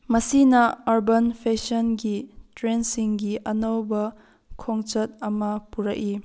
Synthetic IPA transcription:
mɐsinɐaɾbɐnpʰesɐnɡitɾensiŋɡiʔɐnɐwbɐ | kʰoŋt͡ʃɐt̚ɐmɐpuɾɐ̰ki

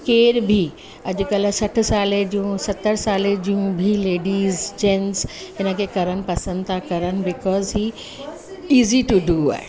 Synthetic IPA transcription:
keːɾbʱi | ɐʄʊkəlsɐʈʰsaːled͡ʑiũsɐt̪ːəɾsaːled͡ʑijũbʱileːɖiːzd͡ʒɛ̃nzɦɪnəkʰekɐɾənɪ̆pɐsə̃nd̪t̪ʰakɐɾənɪ̆bɪkɔːzɦiː | iːziʈuɖuːa̰ːɦɪ

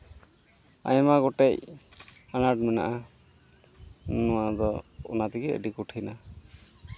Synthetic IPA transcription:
a̰jɛmaɡɔʈɛj | anaʈ̚mɛna̰ʔa | nuwad̪ɔṵnat̪ikiə̰ɖikuʈʰina

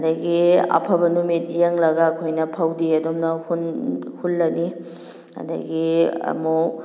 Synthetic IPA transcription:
dɐɡiɐ̰pʰɐbɐnumit̚jeŋlɐɡɐːkʰojnɐpʰɐwdiɐdomnɐhunhulːɐni | hɐ̰dɐ̰ɡiɐ̰mu

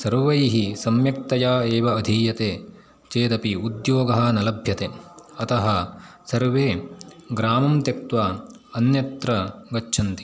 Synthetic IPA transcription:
sɐɾʋɐjiɦisɐmjɐk̚t̪ɐjaːeːʋɐːd̪ʱiːjɐt̪eː | t͡ʃeːd̪ɐpiud̪joːɡɐɦɐnɐlɐbʱjɐt̪eɐt̪ɐɦɐsɐɾʋeːɡɾaːmɐmt̪ɐk̚t̪ʋa | ɐnjɐt̪ɾɐɡɐt͡ʃːʃʰɐnt̪i̥

